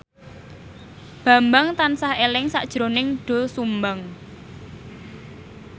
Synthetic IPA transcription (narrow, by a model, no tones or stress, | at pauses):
b̥ä̤mbaŋt̪ansahelɪŋsa̰ʔd̥ʒ̥ɾonɪŋɖ̥o̤lsumbaŋ